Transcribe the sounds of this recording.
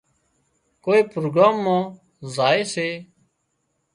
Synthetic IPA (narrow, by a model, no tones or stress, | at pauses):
koːeːpɾoːɡɾaːmːãː | zaːeːseː